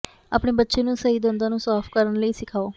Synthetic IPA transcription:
a̰ːpɳeːbətːʃeːnũːsəɦiːd̪ənd̪ãːnũːsaːpʰkəɾəɳləiːsɪkʰaːoː

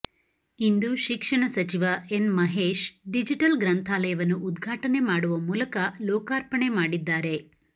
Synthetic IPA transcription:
ind̪uʃikʂɐɳɐsɐt͡ʃiʋɐenmɐɦeːʃɖid͡ʒiʈɐlɡɾɐnt̪ʰaːlɐjɐʋɐnːuʔud̪ɡʱaːʈɐne̞maːɽuʋɐmuːlɐkɐlɔːkaːɾpɐɳe̞maːɽid̪ːaːɾe̞

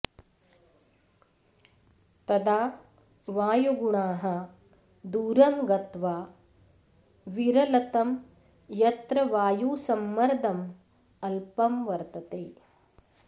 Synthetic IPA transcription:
t̪ɐd̪aː | ʋaːjuɡuɳaːɦɐ | d̪uːɾɐmɡɐt̪ʋaː | ʋiɾɐlɐt̪ɐm | jɐt̪ɾɐʋaːjuːsɐmːɐɾd̪ʱɐm | ɐlpɐmʋɐɾt̪ɐt̪eː

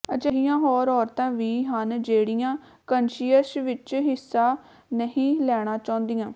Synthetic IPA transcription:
ət͡ʃeɦijãːɦɔːɾɔːɾt̪ãːʋiːɦənd͡ʒeːɽijãː | kənʃiːəsʋɪt͡ʃɦɪsːaː | nəɦĩːlɛːɽ̃ãːt͡ʃãːnd̪ijãː

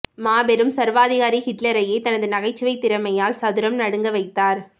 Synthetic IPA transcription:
maːbɛɾɯmsɐɾʋaːðɪɣaːɾihɪʈlɐɾɐjeɪt̪ɐnɐðɯnɐɣɐɪt͡ʃːɯʋɐɪt̪ːɪɾɐmɐjaːlsɐðɯɾɐmnɐɽɯŋɡɐʋɐɪt̪ːaːɾ

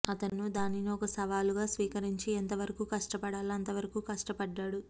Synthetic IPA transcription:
ɐt̪ɐnːud̪aːniniɔkɐsɐʋaːluɡaːsʋiːkɐɾiɲt͡ʃient̪ɐʋɐɾɐkuːkɐʂʈɐpɐɽaːlɐnt̪ɐʋɐɾɐkuːkɐʂʈɐpɐɖːaːɽu

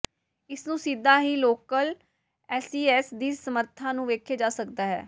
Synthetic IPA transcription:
ɪsnũːsiːd̪aːɦiːloːkəl | ɛːsiːɛːsd̪iːsəməɾt̪ʰãːnũːʋeːkʰeːd͡ʒaːsəkd̪aːɦɛ̰ː

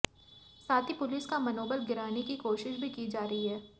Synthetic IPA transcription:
saːt̪ʰipʊlɪskamɐnoːbəlɡɪɾaːnekikoːʃɪʃbʱikid͡ʒaːɾɐɦiɦɛː

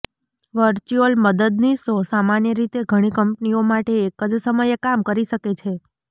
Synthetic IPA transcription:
ʋəɾt͡ʃuəlməd̪əd̪nisosamanjəɾit̪eɡʱəɽ̃ikəmpniomaʈeːkəd͡ʒsəməjəkamkəɾiʃəket͡ʃʰe

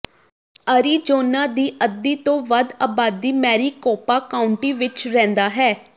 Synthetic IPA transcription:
əɾiːd͡ʒoːnãːd̪iːʔəd̪ːiːt̪õːʋəd̪aːbaːd̪ːiːmɛːɾiːkɔːpaːkaːʊɳʈiːʋɪt͡ʃɾɛ̃ːnd̪aːɦɛː

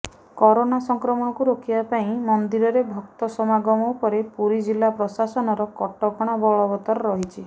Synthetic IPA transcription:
kɔɾonasɔŋkɾɔmɔɽ̃ɔkuɾokʰibapaĩmɔnd̪iɾɔɾebʱɔk̚t̪ɔsɔmaɡɔmɔupɔɾepuɾid͡ʒilːapɾɔsasɔnɔɾɔkɔʈɔkʰɔɽ̃abɔɭɔbɔt̪ɔɾɔɾɔɦit͡ʃʰi

